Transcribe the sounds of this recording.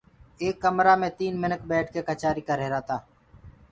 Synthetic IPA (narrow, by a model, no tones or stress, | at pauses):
eːkːəmɾaːmẽːt̪iːnmɪnək̚bɛːʈ̚ʰkeːkət͡ʃaːɾiːkəɾɦeːɾaːt̪aː